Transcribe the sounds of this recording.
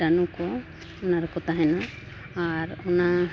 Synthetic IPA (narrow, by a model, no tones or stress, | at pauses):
anukɔ | ɔnaɾɛkɔt̪aɦɛnaː | ɾɔna